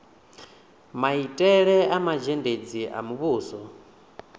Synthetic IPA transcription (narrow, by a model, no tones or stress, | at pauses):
maitʼɛɺɛamad͡ʒɛnded͡ziʔa̰muβuːsɔ